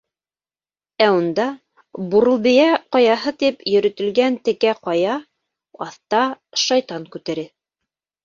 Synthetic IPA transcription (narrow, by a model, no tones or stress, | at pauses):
æund̪ɑ | buɾɤ̆lˠbɘ̆jæqɑjɑɦɤt̪ipjɵ̆ɾɵ̆t̪ɘ̆lɡænt̪ɘ̆kæqɑjɑ | ɑθt̪ɑʃɑjt̪ɑŋkʉt̪æɾɘ